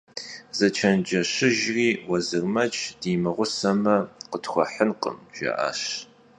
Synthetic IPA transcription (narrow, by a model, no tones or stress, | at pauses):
zɐt͡ʃʰɐnd͡ʒɐɕɪʒriːwɐzɨrmɐt͡ʃʼd̥iːmɨʁʷʊsɐmɐqətχʷɔħənqə̰mʒ̥ɐ̰ʔa̰ːɕ